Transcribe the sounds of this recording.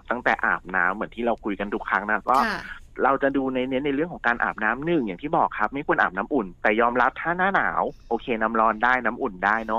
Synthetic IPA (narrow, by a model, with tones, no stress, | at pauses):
t̪a˥˩ŋt̪ɛ̰ː˨˩ʔa̰ː˨˩p̚na̰ː˦˥mːɯ˩˦ənt̪ʰiː˥˩ɾa˧wkʰu˧jka˧nt̪ʰu˦˥kʰɾa˦˥ŋna˧˦˥kɔː˥˩ɾa˧wt͡ɕa˨˩duː˧na˧jni˦˥na˧jɾɯ˥˩əŋkʰːŋkaː˧nʔa̰ː˨˩p̚naː˦˥mnɯ˨˩ŋjaː˨˩ŋt̪ʰiː˥˩bɔː˨˩kʰːa˦˥p̚ma˥˩jkʰu˧ənʔaː˨˩p̚naː˦˥mʔu˨˩nt̪ɛː˨˩jɔː˧mɾa˦˥p̚t̪ʰaː˥˩naː˥˩naː˩˦wʔoː˧kʰeː˧na˦˥mɾɔː˧ndaː˥˩jnaː˦˥mʔu˨˩ndaː˥˩jnɔ˦˥